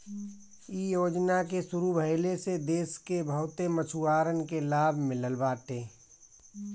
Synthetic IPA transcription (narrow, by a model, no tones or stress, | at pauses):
ijoːd͡ʒnakesʊɾubʱəɪlesed̪eːskebʱəʊt̪emət͡ʃʰuaːɾənkelaːbʱmɪ̃ləlbaːʈẽː